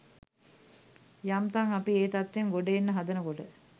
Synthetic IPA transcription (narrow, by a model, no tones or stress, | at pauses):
jamt̪aŋapieːt̪at̪ʋeŋɡoɖeenːəɦad̪ənəkoʈə